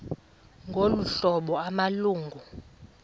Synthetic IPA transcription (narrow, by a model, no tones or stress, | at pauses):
ŋɡʱoluɬɔɓɔamaluːŋɡʱu